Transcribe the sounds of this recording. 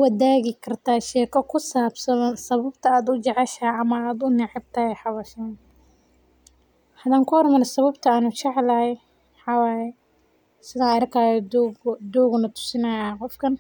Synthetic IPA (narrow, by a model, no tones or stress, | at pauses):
wɐðaːɣɪkʰɐrt̪ʰaːʃɛːkʰɐkʰʊsaːbsɐðɐnsɐβɐbt̪ʰɐaːd̪ʊd͡ʒɐʕɛʃɐɐmɐaːd̪ʊnɪʕɪb̚t̪ʰɐhɛjħɑβɐʃɐ | hɐðaːŋkʰʊhɔrmɐɾɛsɐβɐbt̪ʰɐaːnʊt͡ʃɛʕlɐhɛ | ħɑwaːjɛ | sɪðaɾkʰaːjɔɡd̪uːɣnɐt̪ʰʊ̥sɪnɐjaqɔfkʰɐn